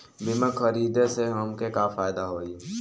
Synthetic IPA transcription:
bɪmẽkʰəɾiːd̪eseɦɐmkekafaːjd̪aɦoːie

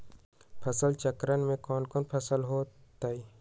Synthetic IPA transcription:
pʰɐsəlt͡ʃɐkɾənmẽkɔːnkoːnpʰɐsəlɦoːt̪ai

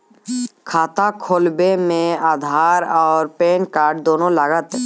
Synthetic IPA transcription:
kʰaːt̪akʰoːlbemẽaːd̪ʱaːɾɔːɾpeːnkaːɾʈ̚d̪oːnõləɡət̪

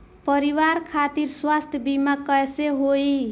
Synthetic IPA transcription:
pʌɾiwaɾkʰat̪iɾswast̪ʰjəbimakʌeseɦoi

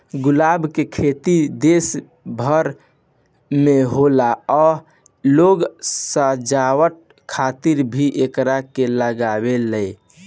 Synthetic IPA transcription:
ɡulabʱkekʰet̪id̪es | bʱəɾ | meɦolaɔ | loɡsə̃d͡ʒawəʈ̚ | kʰat̪iɾbʱiʔekɾakeləɡabeləj

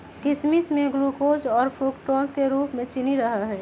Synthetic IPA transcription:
kɪsmismẽɡɾukoːd͡ʒɔːɾpʰuːkʈoːlskeɾuːpmẽt͡ʃɪniɾəɦaɦɛː

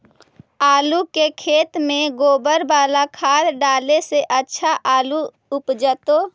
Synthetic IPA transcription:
aːlukekʰeːt̪mẽɡoːbəɾbaːlakʰaːɾɖaːleseʔətːʃʰaʔaːlu | ʊpd͡ʒət̪oː

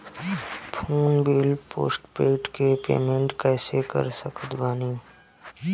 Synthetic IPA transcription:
pʰuːnbɪlpo̰ːsʈpeːʈkepḛːmẽɳʈkɛːsekə̰ɾsəkəd̪baːniː

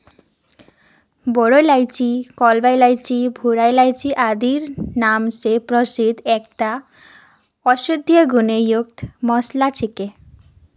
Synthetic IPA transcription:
boɽojlajt͡ɕikɔlbajlajt͡ɕibʱuɾajlajt͡ɕiʔad̪iɾnamsepɾosid̪ɛk̚ʈa | ɔʃod̪ʱːijoɡunejuk̚t̪mɔslat͡ɕʰike

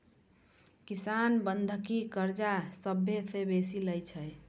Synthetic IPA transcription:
kisanbənd̪ʱkikəɾd͡ʒasəbʱːesʰebesiləjt͡ʃʰɛj

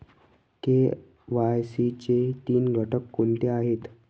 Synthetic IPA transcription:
t̪e | ʋajsit͡ɕet̪iːnɡʱəʈəkːoɳt̪eaɦet̪

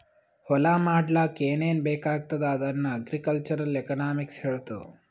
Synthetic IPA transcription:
hɔlaːmaːɽlaːkeːneːnbeːkaːɡ̚t̪ɐd̪ɐːd̪ɐnːɐɐɡɾikɐlt͡ʃɐɾɐlekɐnaːmiksheːɭt̪ṵ

